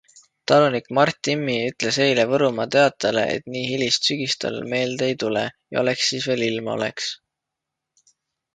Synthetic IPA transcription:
t̪ɑlunikmɑrt̪ʲːˑimːiyt̪ˑle̞se̞jle̞vɤɾumɑt̪e̞ɑt̪ːˑɑle̞̰ʔḛt̪niːɦilist̪syɡ̥ist̪ɑ̰lme̞ːld̪e̞jt̪ule̞̰jɑ̰o̞le̞ksːiːsve̞ːlilmɑo̰le̞̰ks

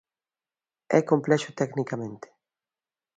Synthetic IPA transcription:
ɛ̰komplɛʃʊt̪ɛknikamẽnt̪e̥

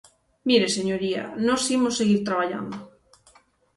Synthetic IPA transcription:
miɾeseɲoɾia̰nosimosːeɣiɾt̪ɾaβ̞aʎa̰nd̪o

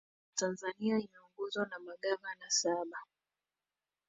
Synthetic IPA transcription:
tanzaniainauŋɡɔzwanamaɠamanasaɓa

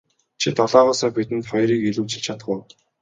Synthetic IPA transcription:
t͡ɕʰit̪ɔɮɔːʁɔːsœːpit̪ɘ̆nt̪χɔjɾiːkiɮuːt͡ɕɪ̆ɮt͡ɕʰat̪ə̥̆χʊː

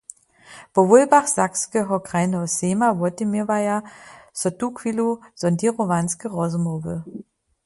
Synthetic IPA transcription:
pɔvʊlbaχz̥akskəɦɔkʁaɪnəseːmavɔtimivajasɔtukʰviluz̥ɔndiʁovanskəʁɔzmovə

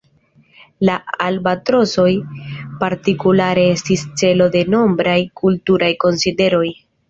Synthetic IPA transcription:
laalbatɾo̞so̞jpaɾtikulaɾe̞e̞stist͡se̞lo̞de̞no̞mbɾajkʰultuɾajko̞nside̞ɾo̞j

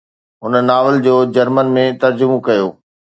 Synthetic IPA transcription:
ɦʊnənaːʋəld͡ʑoːd͡ʑɐɾmənmẽt̪ɐɾd͡ʑʊmokɐjoː

